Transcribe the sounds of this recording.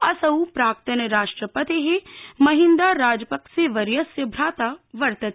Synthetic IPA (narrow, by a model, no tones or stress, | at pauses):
ɐsɐupɾaːk̚t̪ɐnɐɾaːʂʈɾəpɐt̪eɦemɐɦind̪aːɾaːd͡ʒpɐkseʋɐɾjɐsjɐbʱɾaːt̪aʋɐɾt̪ɐt̪